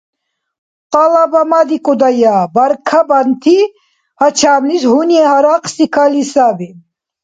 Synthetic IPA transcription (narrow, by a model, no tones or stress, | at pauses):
qʼalabamad̪ikʼud̪ajabaɾkʰabant̪ʰi | hat͡ʃʰaːmlisɦuniɛhaɾaqʰʼsikʰalisabi